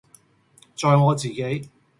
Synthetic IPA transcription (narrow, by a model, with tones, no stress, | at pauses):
t͡ʃɔː˨˧jŋɔː˨˧t͡siː˨˩ke˨˥j